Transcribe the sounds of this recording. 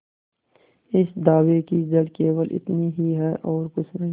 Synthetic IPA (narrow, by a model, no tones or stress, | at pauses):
ɪsd̪aːwekid͡ʒɐɽkeːwəlʔɪ̰t̪niɦiɦɛːʔɔːɾkʊt͡ʃʰnɐ